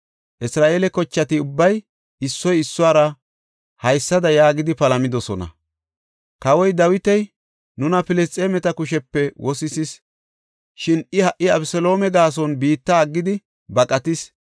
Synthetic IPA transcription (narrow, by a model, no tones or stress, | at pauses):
ʔɪsɾaːʔeːlɛkɔt͡ʃːɐt̪ɪʊbːɐj | ɪsːɔjɪsːʊaːɾɐ | hɐjsːɐd̪ɐjaːɡɪd̪ɪpɐlɐmɪd̪ɔsɔnɐ̰ | kɐwɔjd̪ɐwɪt̪ɛj | nʊnɐpɪlɛst͡sʼeːmɛt̪ɐkʊʃɛpːɛwʔɔsɪsɪs | ʃɪnɪhɐʔːɪɐbsɔlo̞ːmɛɡaːs̬ɔnbiːt̪ːɐːɡːɪd̪ɪ | bɐkʼɐt̪ɪs